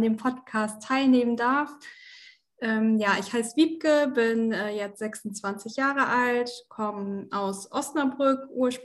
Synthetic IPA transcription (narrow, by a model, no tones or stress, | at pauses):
ndeːmpʰɔtkʰaːstʰːaɪlneːməndaɐf | ʔɛːmjaːʔɪçhaɪsv̥iːp̚kəbɪnɛːjɛt͡stz̥ɛksʊnt͡sv̥ant͡sɪçjaːʁəʔaltkʰɔmʔaʊsʔɔstnɐbʁʏkʔuːɐʃp